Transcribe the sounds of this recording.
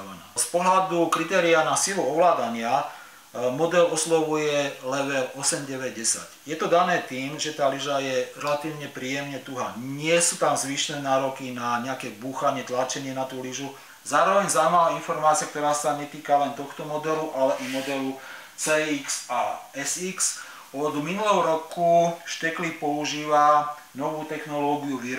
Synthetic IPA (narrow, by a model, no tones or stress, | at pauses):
ɛnaːspɔɦlad̪ukɾit̪ɛːɾianasiluɔʋlaːd̪aɲɪa | mɔd̪ɛlɔslɔʋujɛlɛʋɛɾɔsɛmɟɛʋɛɟɟɛsa̰ɟjɛt̪ɔd̪anɛːt̪iːmʒɛt̪aːliʒajɛɾɛlat̪iːʊɲɛpɾiːjɛmɲɛt̪uɦa̰ːɲɪɛsuːt̪amzʋiːʃnɛːnaːɾɔkinaɲɛakɛːbuːxaɲɪɛt̪lat͡ʃɛɲɪɛnat̪uːliʒu | zaːɾɔʋɛɲzamalainfɔɾmaːt͡siak̚t̪ɔɾaːsaɲɛt̪iːkalɛnt̪ɔxt̪ɔmɔd̪ɛluʔalɛʔamɔd̪ɛlu | t͡sɛːiksaɛsiks | ɔd̪minulɛɦɔɾɔkuʃt̪ɛklipɔuʒiːʋa | nɔʋuːt̪ɛxnɔlɔːɡiuʋiɾ